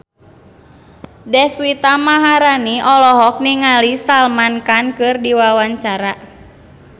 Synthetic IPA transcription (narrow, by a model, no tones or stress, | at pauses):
dɛhsuit̪amaɦaɾaniʔɔlɔɦɔk̚niŋalisalmankankɨrdiwawaɲt͡ʃaɾa